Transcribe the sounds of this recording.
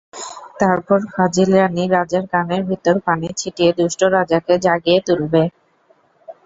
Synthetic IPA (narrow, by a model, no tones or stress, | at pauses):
t̪aɾpɔɾhad͡ʑilaniɾad͡ʑaɾkaneɾbʱit̪oɾpanit͡ɕʰiʈijed̪uʃʈoɾad͡ʑaked͡ʑaɡiet̪ulbe